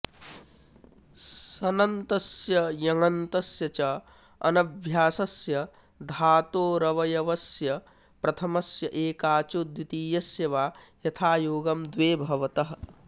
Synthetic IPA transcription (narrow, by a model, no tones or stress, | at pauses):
sɐnɐnt̪ɐsjɐjɐŋɡɐnt̪ɐsjɐt͡ʃɐ | ɐ̰nɐbʱjaːsɐsjɐ | d̪ʱaːt̪oːɾɐʋɐjɐʋɐsjɐ | pɾɐt̪ʰɐmɐsjɐʔeːkaːt͡ʃod̪wit̪iːjɐsjɐʋaːjɐt̪ʰaːjoːɡɐmd̪ʋeːbʱɐʋɐt̪ɐɦɐ̆